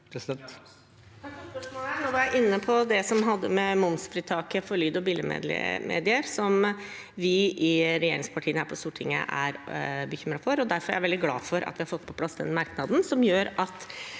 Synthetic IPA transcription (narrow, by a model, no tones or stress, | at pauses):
t̪ | monoːʋɑɾjæɪʔɪnːəpʰɔd̪ɛsɔmɦɑd̪ːəmɛmʊnsfɾiːt̪ʰɑːkəfɔɾɭyːd̪ɔbiːləmḛːd̪ɪ̰mʔḛːd̪ɪəɾsɔm | ʋɪʔɪɾɛjeːɾɪŋspʰɑʈʰiːənhæːɾpʰɔst̪uːʈʰɪŋːə̰ʔæ̰ɾbəçʏmɾɑfɔɾɔd̪æɾfɔɾæʋɛld̪ɪɡlɑ̰ːfɔɾʔɑ̰t̪ʋɪhɑɾfɔt̪ːpʰɔpʰlɑsd̪ɛ̰nmɑɾknɑd̪n̩sɔmjøːɾɑt̪